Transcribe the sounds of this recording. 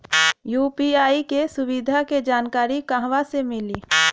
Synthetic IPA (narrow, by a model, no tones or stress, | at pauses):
juːpiaːikesʊwid̪ʱaked͡ʒaːnkaːɾikaɦʋasemɪliː